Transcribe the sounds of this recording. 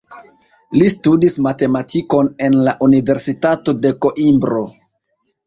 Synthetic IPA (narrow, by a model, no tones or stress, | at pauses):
listudismate̞matʰiko̞ne̞nlaʔunive̞ɾsitato̞de̞ko̞ʔimbɾo̞